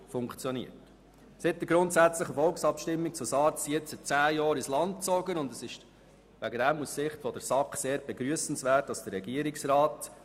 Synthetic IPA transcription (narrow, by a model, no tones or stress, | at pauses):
fʊŋkt͡sjɔnḭət | sɪt̚dəɡɾʊntsæt͡sləχəfɔlksɑpʃtɪmːik̚t͡susɑːt͡sijɪt͡sɪtt͡sæːjɑːɾɪslɑnt̚t͡sɔɡənʊndəsɪʃ | ʋæɡədæmːuəssɪχtfɔdəɾsɑkχseːɾb̥ɛɡɾyəsn̩sʋæːt̚ːdɑsd̥ərɾɛɡiəɾɪksrɑːt